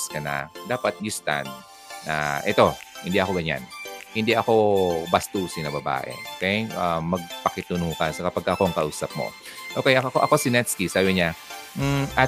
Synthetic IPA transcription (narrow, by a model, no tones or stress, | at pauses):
skɐnɐ̰d̪aːpɐt̪̚jʊst̪a̰nː | a̰ʔɛt̪o̞hɪnd̪iʔɐko̞ɡɐɲa̰nhɪnd̪iʔɐko̞bɐst̪uːsɪnɐbɐba̰ːʔɛ̰okɛjʔamɐɡ̚pɐkɪt̪ʊnuːkɐsɐkɐpɐɡkːɐʔɐkoɐŋkɐʔuːsɐp̚mo̰ | ʔoːkɛjʔɐkɐkoʔɐko̞sɪnɛt̪skisaːbɪɲam̩ʔɐ